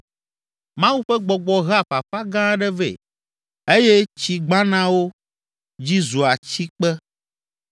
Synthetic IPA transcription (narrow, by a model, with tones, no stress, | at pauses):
mã˦wu˦ɸɛ˦ɡ͡bɔ˨ɡ͡bɔ˨ɣa˦ɸa˨ɸa˦ɡã˦ɖɛ˦vḛ˨ | e˦jɛ˦t͡ɕi˨ɡ͡bã˦nã˦wo˦ | d͡ʑi˦zu˨a˨t͡ɕi˦k͡pɛ˦